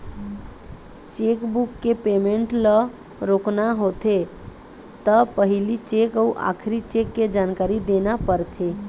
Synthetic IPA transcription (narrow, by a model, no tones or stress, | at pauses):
t͡ʃekbukːepemeɳʈlə | ɾoknaɦot̪ʰe | t̪əpəɦilit͡ʃekəuʔa̰kʰɾit͡ʃekːed͡ʒankaɾid̪enapəɾt̪ʰe